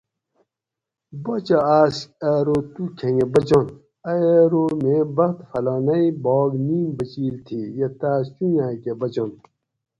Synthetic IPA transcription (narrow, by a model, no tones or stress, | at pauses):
bot͡ɕaaːsɐɾot̪ukʰẽŋɡebɐd͡ʑon | ɐeɾomẽbɐxt̪fɐlɔːnɐibɔːɡniːmbɐt͡ɕiːlt̪ʰijɐt̪aːst͡ʃujaːkebɐd͡ʑon